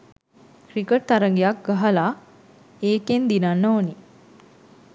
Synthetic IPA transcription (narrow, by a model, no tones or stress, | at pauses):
kɾikəʈ̚t̪aɾəŋɡijak̚ɡaɦɐlaː | eːkend̪inanːooni